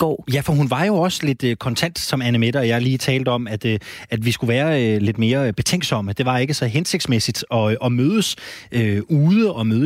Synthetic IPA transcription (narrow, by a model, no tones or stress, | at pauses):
ɡ̥ɒ̰ːjæfɒ̽ɦunʋɑ̈jo̝ɒ̽səle̝d̥økʰɒ̽nt͡sʰæn̰d̥sɒ̽mænəmeɾ̥ɐjɑ̈ɪliːt͡sʰɛːld̥əɒ̽mæd̥øæd̥ʋisɡ̥uʋæːɐøle̝d̥me̝ːɐb̥e̝t͡sʰeŋ̰ɡ̥sɒ̽m̰əd̥e̝ʋɑ̈e̝ɡ̥əsɒ̽ɦense̝ɡ̥̚smesid̥ɒ̽ʔɒ̽møːð̞ˠəsøuːð̞ˠəɒ̽møːðˠ